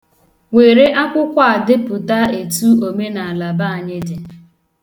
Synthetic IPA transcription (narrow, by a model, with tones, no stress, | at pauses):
we˨ɾe˦ʔa˦kʷʊ˦kʷa˦a˨dɪ˦pʊ˨ta˦e˨tu˦o˨me˦na˨a˨la˨ba˦a˨ɲɪ˦dɪ˨